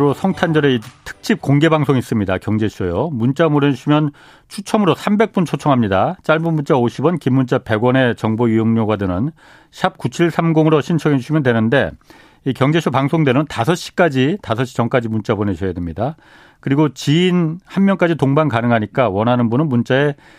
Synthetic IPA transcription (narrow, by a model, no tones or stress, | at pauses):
ɾosʰʌŋtʰand͡ʑʌɾeitʰɯ̥k̚t͡ɕ͈ip̚koŋɡe̞baŋsʰoŋis͈ɯmɲidakjʌŋd͡ʑe̞ɕʰujomunt͡ɕ͈amoɾʌɕʰimjʌn | t͡ɕʰut͡ɕʰʌmɯɾosʰambe̞k̚p͈unt͡ɕʰot͡ɕʰʌŋɦamɲidat͡ɕ͈aɭmunmːunt͡ɕ͈aoɕʰibʌnkimːunt͡ɕ͈ape̞ɡwʌne̞t͡ɕʌŋboijoŋɲoɡwadɯnɯn | ɕʰap̚kut͡ɕʰiɭsʰamɡoŋɯɾoɕʰint͡ɕʰʌɡinɕʰimjʌndwe̞nɯnde̞ | ikjʌŋd͡ʑe̞ɕʰupaŋsʰoŋdwenɯntasʰʌɕ͈i̥k͈ad͡ʑitasʰʌɕ͈i̥t͡ɕʌŋk͈ad͡ʑimunt͡ɕ͈aboneɕʰʌjadwemɲida | kɯɾiɡot͡ɕiːnhanmjʌnk͈ad͡ʑitoŋbankanɯŋɦaɲik͈awʌnɦanɯnbunɯnmunt͡ɕ͈ae̞